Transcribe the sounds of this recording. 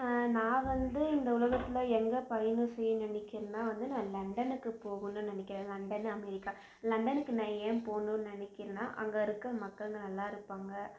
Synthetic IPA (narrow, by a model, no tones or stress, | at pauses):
nãːʋɐnd̪ɯɪnd̪ɐʊlɐɣɐt̪ːɪlɐɛŋɡɐpɐjɐnɯsɛjːɯnɪnɛkːɪɾɐnaːʋɐnd̪ɯnãːlɐɳɖɐnɯkːɯpoːɣɯnːɯ̃nɪnɪkːɪɾẽlɐɳɖɐnɐmɛɾɪkːa | lɐɳɖɐnɯkːɯnaːjeːmpoːnũnɪnɛkːɪɾɐnaːʔɐŋɡɐɪɾɯkːɯɐmɐkːɐɭɯŋɡɐnɐlːaːɪɾɯpːaːŋɡɐ